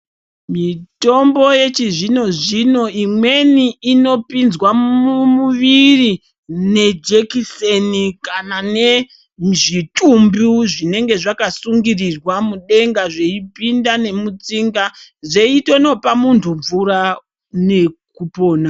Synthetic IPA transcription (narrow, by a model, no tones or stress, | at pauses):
mito̞mbo̞je̞t͡ʃiʐino̞ʐino̞imwe̞niːno̞pinzwaumuʋiri | ne̞d͡ʒekisenikanane̞ | ʐitumbuʐine̞ŋɡe̞ʐakasuŋɡirirwamuɗe̞ŋɡaʐe̞ipindane̞mut͡siŋɡaʐe̞ito̞no̞pamuntʰuɱvuɾa | ne̞kupo̞ːna